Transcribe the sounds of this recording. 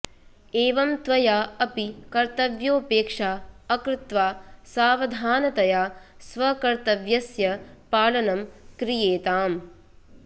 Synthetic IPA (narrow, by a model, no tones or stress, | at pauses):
eːʋɐmt̪ʋɐjaːɐpikɐɾt̪ɐʋjoːpeːkʂaːɐkɾɪt̪ʋaːsaːʋɐd̪ʱaːnɐt̪ɐjaːsʋɐkɐɾt̪ɐʋjɐsjɐpaːlɐnɐmkɾijeːt̪aːm